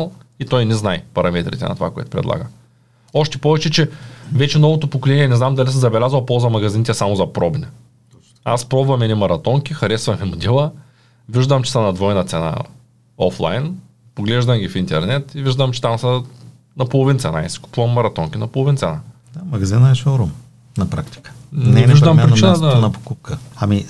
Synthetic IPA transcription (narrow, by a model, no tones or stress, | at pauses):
lˠit̪ɔjnɛznajpɐɾɐmɛt̪ɾʲḭt̪ɛnɐ̰t̪ova̰koɛ̰t̪ʊ̥pɾɛ̰d̪lˠa̰ɡə | ɔʃt̪ɛpɔvɛt͡ʃɛt͡ʃɛvɛt͡ʃɛnɔvot̪opokolɛniɛnɛznamd̪ɐlʲisəmzɐbɛlʲazvɐlˠpɔlˠzɐmɐɡɐzinit̪ɛsamʊzɐpɾɔbnʲɛ | a̰spɾɔbvɐmɛnimɐɾɐt̪ɔŋkʲixɐɾɛsvɐmimʊd̪ʲilˠə | viʒd̪ɐmt͡ʃɛ̥sɐnɐd̪vɔjnɐt̪sɛna̰ | ɔ̰flˠa̰jn | poɡlɛʒd̪ɐmɡʲifint̪ɛɾnɛt̪iviʒd̪ɐmt͡ʃɛ̥t̪amsɐ | nɐpolˠovint̪sɛ̰na̰isɛ̥kʊ̥puvɐmːɐɾɐt̪ɔŋkʲinɐpolˠovint̪sɛna | d̪amɐɡɐzinəɛʃoɾum | nɐpɾakt̪i̥kə̥nɛviʒd̪ɐmppɾit͡ʃinəd̪anɐpo̥kup̚kəami